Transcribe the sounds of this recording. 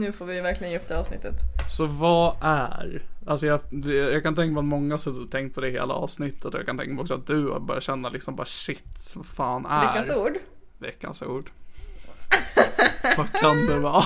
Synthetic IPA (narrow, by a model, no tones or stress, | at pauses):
nʉ̟ːfoːɾvɪvæɾklɪɡənjɛɵp̚d̪eːɑːvsnɪ̰t̪ːət̪sɔvaʔæɾals̬ɔjɑjɑːɡkant̪ɛ̃ŋkamɛat̪mɔŋːasɔd̪ɵat̪ʰɛŋkt̪̚pʰɔd̪ɛhḛːla̰ɑ̰ːvsnɪt̪ʰːət̪ɔja̰kʰant̪ʰɛ̰ŋkamɛɔksɔa̰t̪̚d̪ɵa̰bœ̰ɾjat̪ɕɛnːalɪksɔmbɑ̰ːɾaʂɪt̪ːsvafaːnæɛkanɾsuːɖ | vɛ̰kːa̰nsṵːɖ | vakʰand̪ɛvɑː